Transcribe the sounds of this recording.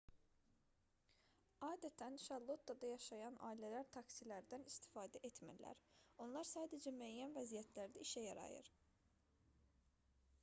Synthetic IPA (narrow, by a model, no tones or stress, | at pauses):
ɑːd̪æt̪ʰænʃɑlˠːot̪̚ːɑd̪ɑjɑʃɑjɑnʔɑ̰ːilælæɾt̪ʰɑksilæɾd̪ænist̪i̥fɑːd̪æʔet̪mæ̰læ̰ɾo̞nlˠɑɾsɑːd̪æd͡ʒæmyæjːænvæzijæt̪ʰlæɾd̪æiʃæjɑɾɑ̰jɯ̰ɾ̥